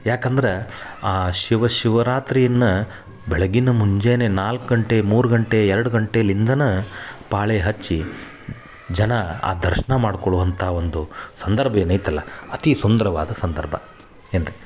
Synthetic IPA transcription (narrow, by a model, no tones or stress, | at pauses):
jaːkɐnd̪ɐɾeaːʃiʋɐʃiʋɐɾaːt̪ɾijɐnːɐ | bɛɭɐɡinɐmuɲd͡ʒeːnenaːlkɡɐɳʈe̞muːɾuɡɐɳʈe̞ɛɾɐɽuɡɐɳʈe̞lind̪ɐnɐpaːɭeɦɐt͡ʃːi | d͡ʒɐnɐa̰ːd̪ɐɾʃɐɳɐmaːɽkoɭuʋɐnt̪ʰɐɦaond̪usɐnd̪ɐɾbʱɐjenɐjt̪ɐlːɐɐt̪isund̪ɐɾɐʋa̰ːd̪ɐsɐnd̪ɐɾbʱɐ̰ | eːnɾi